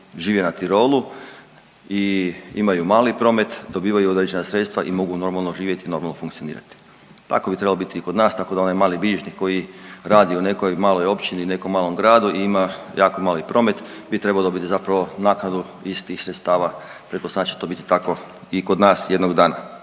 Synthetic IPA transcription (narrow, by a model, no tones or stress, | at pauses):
ʒiːʋjenat̪iɾo̞ːlu | iḭmajumaːlipɾo̞ːme̞t̪d̪o̞biːʋajuod̪ɾed͡ʑenasɾe̞t̪st̪ʋaʔimo̞ɡuno̞ɾmalˠno̞ʒiːʋje̞t̪ino̞ɾmalnofuŋkt̪sionḭːɾa̰t̪i̥ | t̪a̰ko̞bit̪ɾe̞balobit̪iːko̞d̪naːst̪akod̪aonajmaːlibiʒniko̞jiɾaːd̪iune̞ko̞jmaːlo̞jo̞pt͡ʃinine̞komːaːlo̞mɡɾaːd̪uʔiimajaːko̞maːlipɾo̞me̞t̪bit̪ɾe̞baod̪o̞bit̪izapɾaʋo̞naːknad̪u | ist̪ixsɾet̪st̪aːʋapɾekosnaːt͡ɕi̥t̪o̞ːbit̪i̥t̪ako̞ | iko̞d̪naːsje̞d̪noɡd̪aːna̰